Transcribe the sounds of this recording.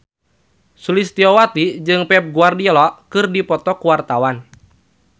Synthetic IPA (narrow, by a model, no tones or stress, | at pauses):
sulist̪iɔwat̪id͡ʒɨŋpɛp̚ɡuardiɔlɔkɨrdipɔt̪ɔkuwart̪awan